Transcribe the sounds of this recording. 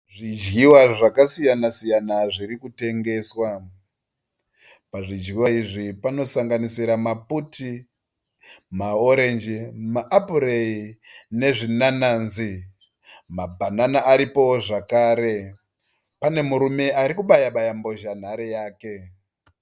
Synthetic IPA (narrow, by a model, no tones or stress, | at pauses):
ʐid͡ʒɣiwaʐakasijanasijanaʐiɾikute̞ŋɡe̞ːswa | paʐid͡ʒɣiwaiʐipano̞saŋɡanisiɾamaputi | mao̞ɾe̞nd͡ʒimaʔapuɾeine̞ʐinananzi | mabʱananaʔːɾipo̞ʐakaːɾe̞ | pane̞muɾume̞aɾikuɓajaɓajambo̞ʒan̤aɾejaːke̞